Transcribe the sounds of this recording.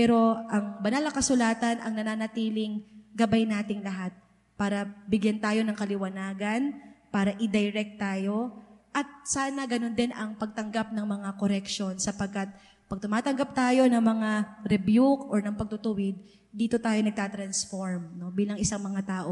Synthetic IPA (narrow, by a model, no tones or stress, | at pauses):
pɛːɾo̞ʔɐŋbɐnalɐŋkɐsʊlaːt̪ɐnʔɐŋnɐnaːnɐt̪iːlɪŋɡɐbajnaːt̪ɪŋlɐɦat̪̚ | paːɾɐbɪɡjant̪aːjo̞nɐŋkɐlɪwɐnaːɡɐnpaːɾɐʔɪd̪ɐjɾɛk̚t̪ːaːjo̞ʔɐt̪̚saːnɐɡɐno̞nd̪ɪnʔɐŋpɐɡ̚t̪ɐŋɡap̚nɐŋmɐŋako̞ɾɛkʃo̞nsɐpɐɡ̚kat̪̚ | pɐɡ̚t̪ʊmaːt̪ɐŋɡɐp̚t̪aːjo̞nɐŋmɐŋaɾɛbjukʔoɹnɐŋpɐɡ̚t̪ʊt̪ʊwɪd̪̚ | d̪iːt̪o̞t̪aːjo̞nɐɡ̚t̪aːt̪ɾɐnsfoɹmno̞biːlɐŋʔɪsaŋmɐŋat̪aːʔo̞